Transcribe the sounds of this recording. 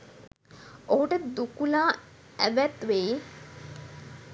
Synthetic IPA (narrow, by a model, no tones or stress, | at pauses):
oɦuʈəd̪ukulaː | æʋæt̪ʋeː